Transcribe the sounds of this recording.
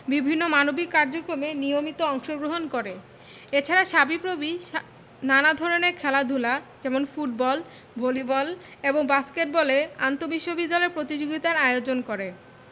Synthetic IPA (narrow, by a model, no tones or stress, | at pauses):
bibʱinːomanobikːaɾd͡ʑokɾomenijomit̪oɔŋʃoɡɾoɦonkoɾe | et͡ɕʰaɾaʃabipɾobi | nanad̪ʱɔɾoneɾkʰɛlad̪ʱulad͡ʑɛmonfuʈ̚bɔl | bʱolibɔleboŋbaskeʈ̚bɔlea̰nt̪obiʃːobid̪ːalɔeɾpɾot̪id͡ʑoɡit̪aɾajeod͡ʑonkoɾe